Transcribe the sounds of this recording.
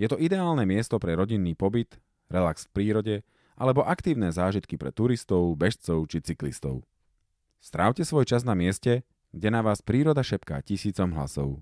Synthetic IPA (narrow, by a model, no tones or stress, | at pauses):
jɛt̪ɔid̪ɛaːlnɛmɪɛst̪ɔpɾɛɾɔɟinːiːpɔbit̪ | ɾɛlaksfpɾiːɾɔɟɛ | ʔalɛbɔʔakt̪iːʊnɛːzaːʒit̪kipɾɛ̰t̪uɾist̪ɔʊbɛʃt͡sɔʊt͡ʃit͡siklḭst̪ɔ̰ʊ | st̪ɾʔaʊcɛsʋɔjt͡ʃaznamɪɛscɛ | ɡɟɛnaʋaːspɾiːɾɔd̪aʃɛpka̰ːcisiːt͡sɔmɦla̰sɔ̰ʊ